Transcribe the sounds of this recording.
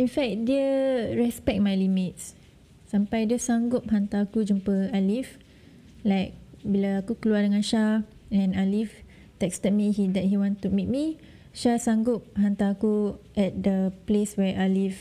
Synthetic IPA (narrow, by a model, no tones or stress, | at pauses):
infɛk̚diəɹɛspɛk̚t̚majlimit̚s | sãmpajdiəsaŋɡʊp̚ɦant̪akud͡ʒumpəalif | lajk̚bilaakukəluadəŋãnʃa | ɛ̃nalif | t̪ɛkstɛt̚miɦidɛʔ̚hiwãnt̪umit̚mi | ʃasaŋɡʊp̚ɦant̪akuʔɛt̚dəpleswɛʔalif